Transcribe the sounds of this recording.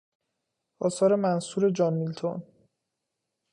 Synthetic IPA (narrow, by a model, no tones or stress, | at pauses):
ʔɒːsɒːɾe̞mænsuːɾe̞d͡ʒɒːnmilt̪ʰon